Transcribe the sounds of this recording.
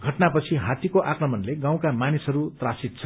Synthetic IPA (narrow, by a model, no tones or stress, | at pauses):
ɡʱʌʈnapʌt͡sʰiɦat̪ikoʔakrʌmʌnleɡãw̃kamanisɦʌɾut̪rasit̪̚t͡sʰʌ̥